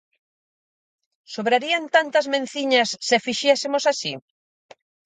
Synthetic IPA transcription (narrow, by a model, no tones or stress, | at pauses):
soβɾaɾiɐnt̪ant̪ɐzmẽn̟θiɲɐsːefiʃɛsɪmosasi